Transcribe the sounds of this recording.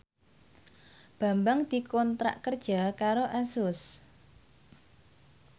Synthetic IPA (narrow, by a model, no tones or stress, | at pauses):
b̥a̤mbaŋd̪̥i̤kɔnt̪ɾa̰ʔkərd̥ʒ̥a̤kaɾoʔasʊs